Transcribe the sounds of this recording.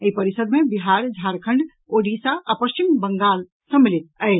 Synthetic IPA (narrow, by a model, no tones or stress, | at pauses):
eipəɾisəd̪mebiɦaɾd͡ʒʱaɾkʰəɳɖ | oɖisaːpəst͡ʃimbəŋɡal | sə̃milit̪̚əɪ